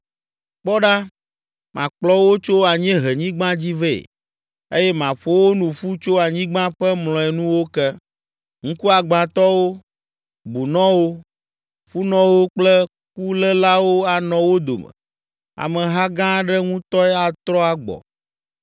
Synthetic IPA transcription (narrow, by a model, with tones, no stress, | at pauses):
k͡pɔ˦ɖa˦ | mã̰˨k͡plɔ˦wo˦t͡ʃo˦a˨ɲɛ̃˦ɦɛ˨ɲĩ˦ɡ͡bã˦d͡ʑi˦vḛ˦˨ | e˦jɛ˦mã˨ɸo˦wo˦nũ˨ɸu˦t͡ʃo˦a˨ɲĩ˦ɡ͡bã˦ɸɛ˦mlɔ̃˨ɛ˨nũ˦wo˦kɛ˦ | ŋ̩̃˦ku˦a˨ɡ͡bã˨t̪ɔ˦wo˦ | bu˨nɔ̃˦wo˦ | ɸu˦nɔ̃˦wo˦k͡plɛ˦ | ku˦lɛ˦la˦wo˦a˨nɔ̃˨wo˦d̪o̰˨mɛ̰˨ | a̰˨mɛ̃˨ɦa˦ɡã˦ɖɛ˦ŋũ˦t̪ɔ˦ɛ˦a˨t̪ɾɔ˦a˨ɡ͡bɔ̰˨